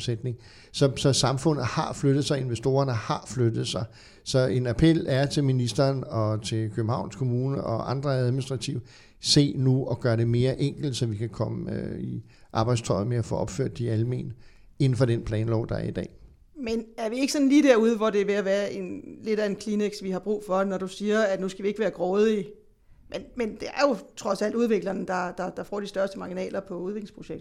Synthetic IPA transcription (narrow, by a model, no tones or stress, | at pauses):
sed̥ne̝ŋ | sɒ̽sɒ̽sɑ̈mfɔ̽n̰ð̩ˠhɑ̈flød̥ð̞̩ˠsɑ̈ɪe̝nʋesd̥o̝ːɐnəhɑ̈flød̥ð̞̩ˠsɑ̈ɪ | sɒ̽e̝næpʰel̰æɐt͡sʰe̝lminisd̥ɐːnɒ̽t͡sʰe̝lkʰøb̥m̩hɑ̈ʊ̰nskʰo̝muːnəʔɒ̽ʔɑ̈nd̥ʁɐæðˠminisd̥ʁɑ̈t͡sʰiʊ | se̝̰ːnuɒ̽ɡ̥ɶːɐɾe̝me̝ːɐʔeŋ̰ɡ̥l̩d̥sɒ̽ʋikʰækʰɒ̽məøi | ʔɑ̈b̥ɑ̈ɪd̥st͡sʰɒ̽ɪmeæfɔ̰ːʔɒ̽b̥fø̰ɐ̰d̥ːiælme̝̰ːnə | e̝n̩fɒ̽ɾ̥enpʰlɛːnlɒʊ̰d̥ɑ̈æɐid̥ɛ̰ː | menæɐʋie̝ɡ̥sɒ̽nliːd̥æɐuð̞ˠəʋɒd̥e̝ʋe̝æʋæːɐʔe̝nle̝ɾæe̝nkʰlineɡ̥sʋihɑ̈b̥ʁṵːfɒ̽enɒɾ̥usiːɐæ̥nusɡ̥æʋie̝ɡ̥ʋæːɐɡ̥ʁɔːð̞̩ˠi | menmend̥e̝æɐjo̝t͡sʰʁɒ̽sæl̰d̥uð̞ˠʋe̝ɡ̥lɐnd̥ɑ̈d̥ɑ̈d̥ɑ̈fɒ̰ːd̥isd̥ɶɐsd̥əmɑ̈ːɡ̥inɛ̰ːlɐpʰɒ̽uð̞ˠe̝ɡlespʰʁo̝ɕeɡ̥d̩ˠ